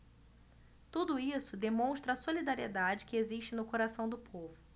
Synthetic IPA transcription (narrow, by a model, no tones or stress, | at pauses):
t̪ud̪ʊisʊd̪emõʃt̪ɾɐːsolid̪aɾied̪ad͡ʒɪkɪeziʃt͡ʃɪnʊkoɾasɐ̃w̃d̪ʊpʰovʊ